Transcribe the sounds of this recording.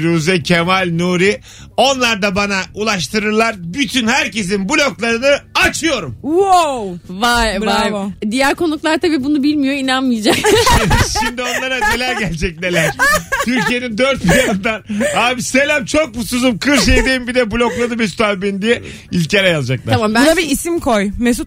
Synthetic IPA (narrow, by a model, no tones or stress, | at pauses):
ɾuzɛcʰemalʲnuɾi | o̞nlˠaɾd̪abanaulˠaʃt̪ʰɯɾɯɾlˠaɾbyt̪ʰynhæɾce̞s̬inbulʲo̞klˠaɾɯnɯat͡ʃʰɯjo̞ɾumo | a | d̪ijæɾko̞nuklˠaɾt̪ʰabiːbunubilʲmijoinanmijd͡ʒakʃimd̪io̞nlˠaɾane̞lʲæɾɟælʲd͡ʒɛc̚ne̞lʲæɾ̥t̪ʰyɾcije̞nind̪øɾt̪̚bilaɯnd̪anaːbise̞lʲæmt͡ʃʰo̞k̚busuzumkʰɯɾʃ̬ejd̪ejimbid̪ɛbulʲo̞klˠad̪ɯbist̪ʰalbind̪ijɛ | ilʲcʰeɾɛjalˠad͡ʒaklˠaɾanabiːsimkʰojmesu